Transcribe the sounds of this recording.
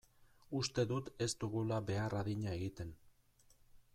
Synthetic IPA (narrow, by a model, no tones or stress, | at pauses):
ust̪e̞ðut̪e̞st̪uɣulaβe̞araðiɲae̞ɣit̪e̞n